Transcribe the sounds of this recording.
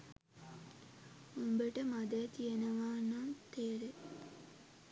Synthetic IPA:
umbəʈəmad̪ət̪ijenəʋaːnant̪eːɾe

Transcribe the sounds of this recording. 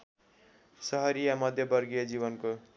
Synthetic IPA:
sʌɦʌɾijamʌd̪ʱjʌbʌɾɡijʌd͡ziβʌnko

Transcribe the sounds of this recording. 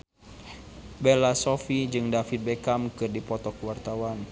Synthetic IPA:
bɛlasɔfid͡ʒɨŋdafit̪̚bɛkamkɨrdipɔt̪ɔkwart̪awan

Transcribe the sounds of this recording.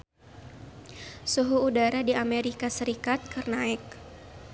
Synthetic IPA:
suɦuːdaɾadiameɾikasəɾikat̪̚kərnaɛk̚

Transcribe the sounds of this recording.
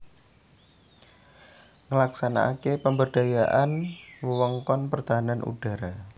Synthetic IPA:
ŋəlaksana̰ʔakepəmbərɖ̥a̤jaʔanwəwɔŋkɔnpərt̪aɦananʔṵɖ̥a̤ɾa

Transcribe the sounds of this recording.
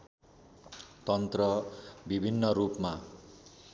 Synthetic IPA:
t̪ʌnt̪rʌbibʱinːʌɾupma

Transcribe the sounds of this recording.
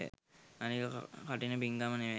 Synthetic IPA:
anikəkkaʈinəbiŋɡaməneʋe

